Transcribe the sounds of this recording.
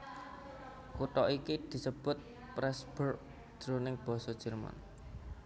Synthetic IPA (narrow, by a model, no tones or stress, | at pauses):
kuʈ̪ɔʔikid̪̥i̤səb̥ʊt̪̚ | pɾɛsb̥ʊr | d̪̥ɾonɪŋb̥ɔ̤sɔd̥ʒ̥ə̤rma̰n